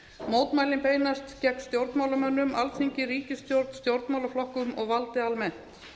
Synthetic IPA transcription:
moːwt̪maːjlɪmpeːjnast̪cɛknst̪jowɾt̪nmaːwlamœnːʏmʔalθiɲcɪɾiːcɪst̪jowɾt̪n̥st̪jowɾt̪nmaːwlaflɔhkʏmɔɣvalt̪ɪalmɛn̥t̪

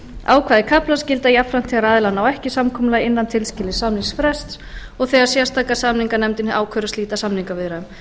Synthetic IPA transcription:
a̰ːwkʰaːðɪkʰaplascɪlt̪aiapfɾam̥t̪ʰɛɣaɾaːðɪlanːawɛhcɪsamkʰɔmʏlajɪnːant̪ʰɪlscɪlːɪsamniŋsfɾɛst̪s | ɔɣθɛːɣaɾ̥sjɛst̪aːkasamniŋkanɛmt̪ɪnaːwkʰvœɾasiːt̪asamniŋkavɪðɾaʏm

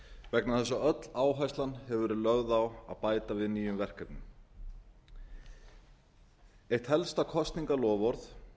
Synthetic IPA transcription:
vɛknaθɛsːaœt̪l̥aːwɦajst̪lanhɛvɛɾɪlœɣðawa̰ðpaːjt̪avɪðniːjʏmvɛr̥kɛp̪nʏm | ejht̪hɛlst̪akʰɔst̪niŋkalɔːvɔɾθ

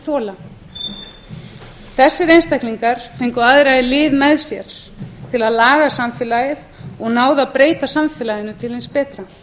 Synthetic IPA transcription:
θɔːla | θɛsːɪɾejnst̪ajklniŋkaɾ̥fejŋkʏaðɾajðɪlɪːðmɛðsjɛɾ̥ | t̪ʰɪlaðlaːɣasamfɪlajɪðɔɣnaːwðapɾeːjt̪asamfɪlajðɪnʏt̪ʰɪlhenspɛːt̪ɾa

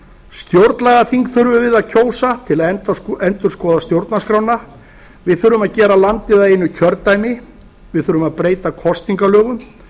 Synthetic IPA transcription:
st̪jowɾt̪nlɛɣaθiŋkθʏɾvʏvɪðaðcʰoːwsat̪ʰɪlaɛɛnt̪ʏɾ̥skɔːðast̪jowɾt̪naskɾawna | vɪðθʏɾʏmaðcɛːɾalant̪ɪðaðɪnːʏcʰœɾt̪ajmɪ | vɪðθʏɾʏmaðpɾeːjt̪akʰɔst̪niŋkalœːɣʏm

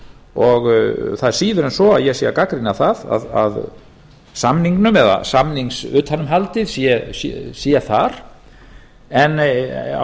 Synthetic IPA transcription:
ɔɣθað̥siːðʏɾɛnsɔa̰ðjɛsjɛakakɾinaθaða̰ða̰ð | samniŋknʏmɛða̰samniŋksʏt̪hanːʏmɦalt̪ɪðsjɛsjɛ̰sjɛθaɾ̥ | ɛn̰

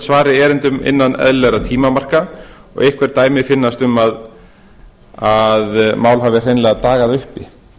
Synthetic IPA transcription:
svaːɾɪɛːɾɪnt̪ʏmɪ̰nːanɛ̰ðlɛɣɾat̪ʰiːmamar̥ka | ɔ̰ɣɪhkʰvɛɾt̪aːjmɪfɪnːast̪ʏmað | aðmaːwlɦavɪr̥ejnlɛɣat̪aːɣaðʏhpɪ

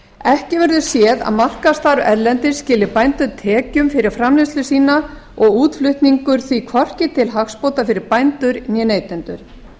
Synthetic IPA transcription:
ɛhcɪvɛɾðʏsjɛːða̰ðmar̥kast̪aɾɛɾlɛnt̪ɪ̥scɪːlːɪɾpajnt̪ʏɾt̪ʰɛːcʏmfɪɾɪɾ̥fɾamlɪst̪lʏsiːnaɔɣuːt̪flʏht̪niŋkʏɾθvikʰvɔr̥cɪt̪ʰɪlɦaxspowt̪afɪɾɪɾpajnt̪ʏɾnjɛneːjt̪ɛnt̪ʏɾ̥

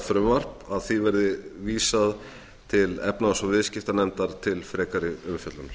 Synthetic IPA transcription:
fɾʏmvar̥paðθivɛɾðɪviːsað | t̪ʰɪlɛpnaɔsɔvɪðscɪft̪anɛmt̪aɾ̥t̪ʰɪlfɾɛːkaɾɪʏmfjœt̪lʏnɾ̥

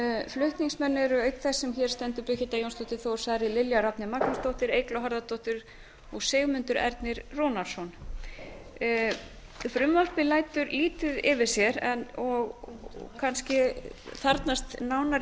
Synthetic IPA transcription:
flʏht̪niŋsmɛnːɪɛɾʏœɥk̪θɛsːɛmçɛɾ̥st̪ɛnt̪ʏpʏçɪt̪ajownst̪owht̪ɪθowɾ̥saɾɪlɪljaɾap̪nɪmaknʏst̪owht̪ɪɾeːjklawɦaɾðat̪ʰowht̪ɪɾ | ɔɣseːɣmʏnt̪ʏɾɛ̰ɾt̪nɪɾrɔːnaɾsɔn | fɾʏmval̥pɪlaːjt̪ʏɾliːt̪ʏðɪvɪ̥sjɛɾɛnɔɣkʰanscɪθaɾt̪nast̪naːwna

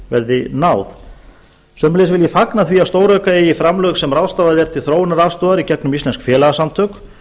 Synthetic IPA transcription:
vɛɾðɪnaːwθ | sœːmleːsvɪljɛfaknaθviast̪oːwɾœːkaejɪfɾamlœɣsɛmrawðst̪aːvaðɪɛɾ̥t̪ʰɪlθɾoːwɪnaɾaðst̪ɔːɣaɾicɛknʏmist̪ɛnskfjɛːlɛɣasamt̪ʰœk

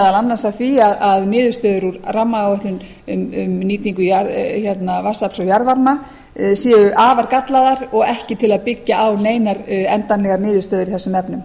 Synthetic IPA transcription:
ðalanːansaðθfiaðaðnɪːðʏɾ̥st̪œːðʏɾuɾramːaɣaœht̪lʏn | ʏmmniːt̪iŋkʏjaɾçɛt̪navḁsapsɔwjaɾðvaɾma | sjɛːʏʔaːvaɾkat̪laðaɾɔɣɛhcɪt̪ʰɪlaðpɪcːaawneːjnaɾɛnt̪anlɛɣaɾnɪːðʏɾst̪œːðʏɾiθɛsːʏmɛpnʏm

